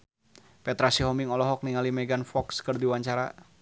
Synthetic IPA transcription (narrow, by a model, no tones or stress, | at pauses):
pɛt̪ɾasiɦɔmiŋɔlɔɦɔk̚niŋalimɛɡanfɔkskərd̪iwaɲt͡ʃaɾa